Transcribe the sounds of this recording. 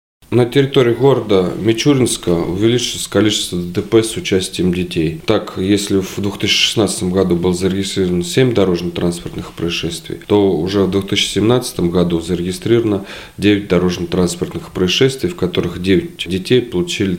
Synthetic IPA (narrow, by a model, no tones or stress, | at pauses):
nətʲɪɾʲɪt̪o̞ɾʲɪʊɡo̞ɾəd̪əmʲɪt͡ɕuɾʲɪnskəʊ̰vʲɪlʲit͡ɕɪlˠəsʲkɐlʲit͡ɕɪst̪vəd̪əd̪əpɛsʊt͡ɕæsʲtʲɪjəmdʲɪtʲejt̪akjesʲlʲɪvd̪vʊxt̪ɨɕːə̥ʂɨ̥snat̪sə̥t̪əmɡɐd̪ubɨlˠəzəɾʲɪɡʲɪst̪ɾʲiɾəvənsʲemʲd̪ɐɾo̞ʐnət̪ɾʔanspərt̪nɨxpɾəɪʂɛst̪vʲɪ̰jt̪o̞ʊʐɛvd̪vʊxt̪ɨɕːɪ̥sʲɪmnat̪sə̥t̪əmɡɐd̪uzəɾʲɪɡʲɪst̪ɾʲiɾəvənə | dʲevʲɪt̚ʲd̪ɐɾo̞ʐnət̪ɾanspərt̪nɨxpɾəɪsʂɛst̪vʲɪjfkɐt̪o̞ɾɨxdʲevʲɪt̚ʲdʲɪtʲejpəlˠʊt͡ɕilʲɪ